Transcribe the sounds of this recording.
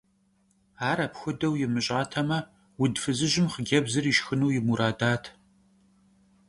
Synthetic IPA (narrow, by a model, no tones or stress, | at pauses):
aːɾɐpxʷʊdɐwjɪmɨɕʼaːtʰɐmɐ | wʊdfɨzɨʑɪmχəɡʲɐbzɨriːʃxɨnuːjɪmuɾaːdaːtʰ